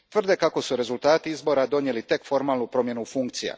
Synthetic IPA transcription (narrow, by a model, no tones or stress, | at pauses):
t̪vɨrd̪ekakosuɾe̞zult̪aːt̪iizboɾad̪onijelit̪ekfoɾmalupɾomjenufuŋkt̪sija̰